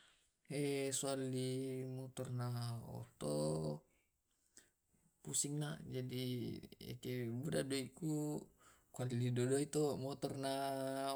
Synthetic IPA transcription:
ɛsualimɔt̪ɔrnaɔ̰t̪ɔ | pusiŋnad͡ʒadiḛkebudadoiku | kualidodoit̪ɔmɔt̪ɔrna

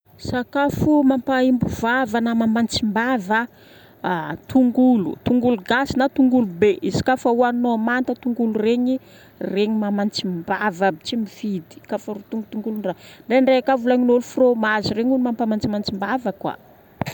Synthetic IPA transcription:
sakafumampaimbuvavanamamant͡simbavə | t̪uŋɡulṵt̪uŋɡuluɡasinat̪uŋɡulubeʔizi̥kafauannoamant̪ət̪uŋɡulureɲi | reɲimamant͡simbavabit͡ʃimifid̪i̥kafaɾut̪uŋɡut̪uŋɡulunraɳɖ͡ʐeɳɖ͡ʐeakavulaɲinolufromazireɲunmampamant͡simant͡simbavəkwa̰

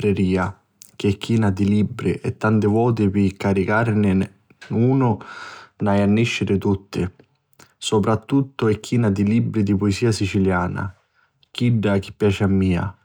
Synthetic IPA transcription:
ɾeɾiːa | k̟ɪɛkːiːnad̪ilibːɾiʔɛt̪ːant̪ɪvɔːt̪̬ɪpɪkːaɾikaɾnɪ | uːnʊnajanːiʃːɪɾɪt̪ut̪ːɪ | sopɾat̪ːut̪ːʊɛkːiːnad̪ilibːɾid̪ipʊesiːasit͡ʃiljaːna̰ | k̟iɖːak̟ɪ̥pːjaːt͡ʃɪamːiːa̰

